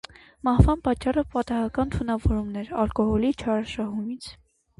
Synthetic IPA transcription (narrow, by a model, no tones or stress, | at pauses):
mɑhvɑnpɑt͡ʃːɑrəpɑt̪ɑɦɑkɑnt̪ʰunɑvɔɾumnɛɾɑlkɔhɔlit͡ʃʰɑɾɑʃɑɦumit͡sʰ